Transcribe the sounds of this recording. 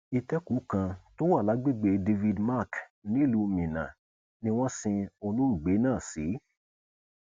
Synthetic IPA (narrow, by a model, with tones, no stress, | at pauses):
i˧tɛ˦ku˨˦kã˧to˦wa˦˨la˨˦ɡ͡be˦˨ɡ͡be˧de˧vi˧dma˦˨knĩ˦˨lu˧˦˧mĩ˨nã̰˨ | nĩ˧˦w̃ɔ̃˦sĩ˧o˧lo˦ɾu˦˨ɡ͡be˨˦nãː˦˨si˨˦